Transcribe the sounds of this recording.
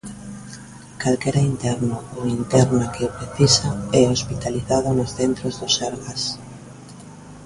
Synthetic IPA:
kalkɛɾaint̪ɛɾnʊðoint̪ɛɾnakɪpɾeθisaɛospit̪aliθaðʊnʊsθent̪ɾozðʊsɛɾɣas

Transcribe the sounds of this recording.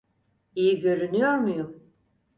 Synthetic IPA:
ijiɟø̞ɾynyjoɾmujum

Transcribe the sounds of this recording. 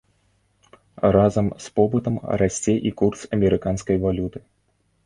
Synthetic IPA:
razɐmspɔbɨt̪ɐmrasʲt͡sʲɛʔikursɐmʲɛɾɨkanskɐjvalʲut̪ɨ̥

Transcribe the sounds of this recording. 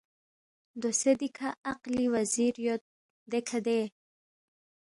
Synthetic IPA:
d̪osed̪ikʰaaqliwaziɾjo | d̪ekʰad̪e

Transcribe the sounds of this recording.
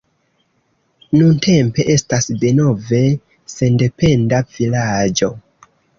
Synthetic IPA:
nunte̞mpe̞ʔe̞stasdeno̞ve̞ | se̞nde̞pe̞ndav̥ilad͡ʒo̞

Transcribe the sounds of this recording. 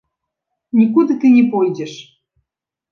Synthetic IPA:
nʲikud̪ə̆t̪ɨnʲepojd̪ʲeʃ

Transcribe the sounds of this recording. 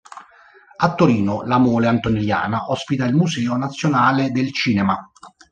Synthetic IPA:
at̪ːoɾiːnolamoːleant̪onilja̰ːnaʔɔspit̪ailmusɛːonat̪sːjonaːled̪elt͡ʃiːnɛma

